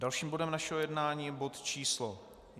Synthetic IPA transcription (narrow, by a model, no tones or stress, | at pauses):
dalʃiːmbo̞dɛmnaʃɛɦojɛdnaːɲiːbo̞t̪t͡ʃiːslo